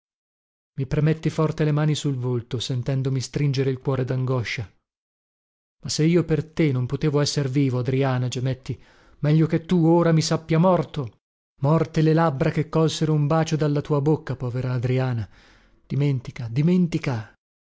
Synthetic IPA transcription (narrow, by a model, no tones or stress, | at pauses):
mipɾemet̪ːifɔrt̪elemaːnisulvolt̪osent̪ɛnd̪omist̪ɾind͡ʒeɾeilkwɔːɾed̪aŋɡɔʃːa | masːeiːopert̪enompot̪eːvoɛsːerviːvoad̪ɾiaːnad͡ʒemet̪ːi | mɛʎːoket̪ːuoːɾamisapːjamɔrt̪o | mɔrt̪elelabɾakekːɔlseɾoumbaːt͡ʃod̪alːat̪uːabokːapɔːveɾaːd̪ɾiaːna | d̪̥iment̪ikad̪iment̪ika